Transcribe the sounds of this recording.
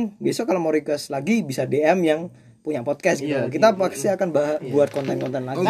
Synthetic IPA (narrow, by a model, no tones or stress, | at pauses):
ŋbesɔkalomɔɾikəslaɡibisadeɛmjaŋ | puɲapɔt̪̚kɛs̚ɡit̪ulakit̪apaksiakanbbuat̪̚kɔnt̪ɛnkɔnt̪ɛnlaɡ